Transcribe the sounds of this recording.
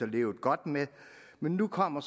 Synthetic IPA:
ɒle̝̰ːʊð̩ˠɡ̥ɒ̽d̥me | menːukʰɒ̽m̰ɐs

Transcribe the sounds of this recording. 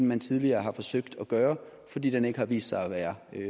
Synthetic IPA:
n̩mænt͡sʰið̞ˠliɐːɦɑ̈fɒ̽søɡ̥̚d̥ɒɡ̥ɶːɐ | fɒ̽d̥ḭːd̥ene̝ɡ̥əhɑ̈ʋḭːsd̥sɑ̈ɪɒʋæːɐ

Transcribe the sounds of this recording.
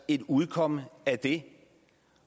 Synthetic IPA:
ed̪uðˠkʰɔməæd̪̥e

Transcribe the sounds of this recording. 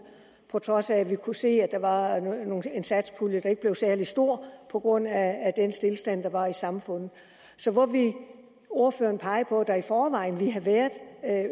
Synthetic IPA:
pʰɒ̽t͡sʰʁɒ̽sæʋikʰuse̝̰ːæ̥ɑ̈ʋɑ̈no̝ːe̝nsæd̥spʰuljəd̥ɑ̈e̝ɡ̥̚b̥le̝ʊsæɐlisd̥o̝ɐ̰pʰɒ̽ɡ̥ʁɔ̽n̰æːd̥ensd̥e̝lsd̥æn̰d̥ɑ̈ʋɑ̈isɑ̈mfɔ̽n̰ð̩ˠ | sɒ̽ʋɒʋi | o̝ɐføɐnpʰɑ̈ɪəpʰɒ̽d̥ɑifɒːʋɑ̈ɪ̰nʋiɦæʋæɐðˠ

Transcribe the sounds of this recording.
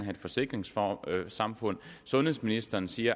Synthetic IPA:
nɦæe̝d̥fɒ̽se̝ɡ̥ʁeŋsfɒsɑ̈mfɔ̽n̰sɔ̽nheðˠsminisd̥ɐːnsiːɐ

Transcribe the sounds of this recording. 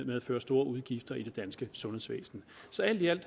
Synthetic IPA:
meðˠæføːɐsd̥o̝ːɐʔuð̞ˠɡ̥ifd̥ɐʔid̥e̝d̥ænsɡ̥əsɔ̽nhesʋḛːsn̩ | sɒ̽æl̰d̥iæl̰d̥

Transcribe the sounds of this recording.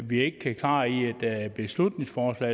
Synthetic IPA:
ʋie̝ɡ̥əkʰækʰlɑ̰̈ːied̥b̥e̝slud̥ne̝ŋsfɒːslɛ̰

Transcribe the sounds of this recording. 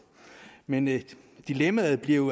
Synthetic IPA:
men | d̥ilemæð̩ˠb̥liɐ

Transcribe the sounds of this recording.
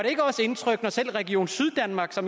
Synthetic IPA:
ɑɾ̥ee̝ɡ̥əɒ̽se̝nt͡sʰʁœɡ̥nɒsel̰ʁɛɡ̥io̝̰ːn̩syð̞ˠd̥ænmɑ̈ːɡ̥sɒ̽m

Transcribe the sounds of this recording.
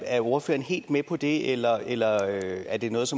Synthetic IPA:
æɐoɐfø̰ːɐn̩ɦe̝̰ːld̥mepʰɒ̽d̥e̝elɐelɐøæɐd̥e̝nɔ̽ːð̩ˠsɒ̽m

